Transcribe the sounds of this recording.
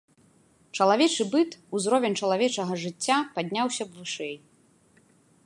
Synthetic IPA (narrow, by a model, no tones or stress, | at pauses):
t͡ʂɐlˠavʲɛt͡ʂɨbɨt̪uzɾɔvʲɛnʲt͡ʂɐlˠavʲɛt͡ʂɐɣɐʐɨt͡sʲːapad̪ʲnʲawsʲɐbvɨʂɛj